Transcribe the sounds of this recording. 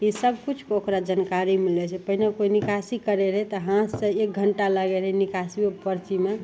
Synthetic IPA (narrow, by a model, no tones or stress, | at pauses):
isəbʱkut͡ʃʰkokɾad͡ʒankaɾimilɛt͡ʃʰɛpəɦinekoinikasikəɾeɾəɦɛt̪ɔɦãsə̃ek̚ɡʱəɳʈaləɡɛɾəɦɛnikasiepəɾt͡ʃime